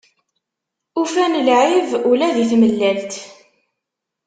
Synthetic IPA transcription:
ufænlʕivʊlæðiθməlːælt̪

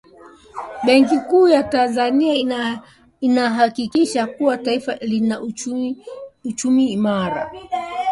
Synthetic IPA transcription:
ɓɛŋk̬ikuːjatanzania | inaɦakikiʃakuwataifalinaʔ | ut͡ʃumiːmaɾa̰

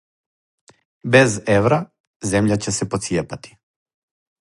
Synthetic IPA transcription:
bɛzɛvɾa | zɛmʎacɛsɛpot̪sijɛpat̪i̥

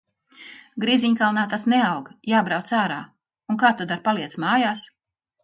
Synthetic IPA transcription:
ɡɾiziɲkalˠnaːt̪asnɛawɡjaːbɾawt̪saːɾa̰ː | unkaːt̪ad̪aɾpalˠiɛt̪smaːjaːs

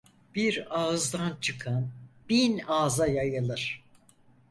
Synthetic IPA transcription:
b̥iɾaɯzd̪ant͡ʃʰɯkʰanb̥inaːzajajɯlˠɯɾ̥

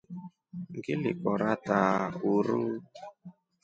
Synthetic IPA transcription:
ŋɡɪlɪ̰kɔɾatauɾu

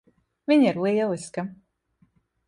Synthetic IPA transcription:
vʲiɲiɾlˠiɛlˠiska

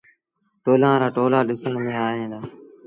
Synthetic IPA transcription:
ʈoːlãːɾaːʈoːlaːɗɪsənmẽːaːɦẽːd̪aː

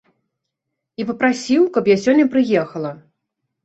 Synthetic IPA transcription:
ipɐpɾasʲiwkɐpjasʲɔnʲːɐpɾɨjɛxɐlˠɐ

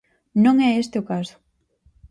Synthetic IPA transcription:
nõŋɛest̪eʊkasʊ̥

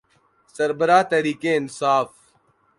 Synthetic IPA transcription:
səɾbəɾaːt̪ɐɾiːkeːɪnsaːf

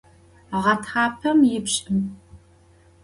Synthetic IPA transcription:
ʁɐtʰχɑːpʰɐmjɪbɕʼɪm

